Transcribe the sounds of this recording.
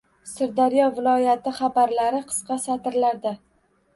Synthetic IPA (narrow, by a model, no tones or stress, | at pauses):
sɪɾd̪aɾjɒvɪlˠɒjat̪ʰɪχabaɾlaɾɪqʰɨ̥sqɑsat̪ʰɪɾlaɾd̪a